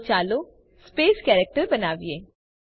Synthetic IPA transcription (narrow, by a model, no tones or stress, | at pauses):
t͡ʃaːlo | speːskɛːɾek̚ʈəɾbɐnaːʋieː